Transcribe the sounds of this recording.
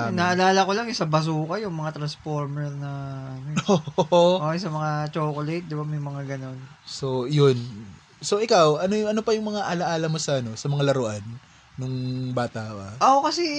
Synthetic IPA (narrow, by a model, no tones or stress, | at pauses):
nɐʔɐlaːlɐko̞laŋɪsɐbɐs̬uːkɐjʊŋmɐŋat̪ɾɐnspoɾmɛɾnɐʔɐnooʔoʔosɐmɐŋat͡ʃoːkolɛt̪̚d̪ɪbamɐjmɐŋaɡɐno̞nsojon | soʔɪkawʔɐnojʔɐnopɐjʊŋmɐŋaʔɐlɐʔaːlɐmosɐʔɐno̞sɐmɐŋalɐɾoʔanː | ʊŋbaːt̪ɐʔoaʔoʔokɐsɛ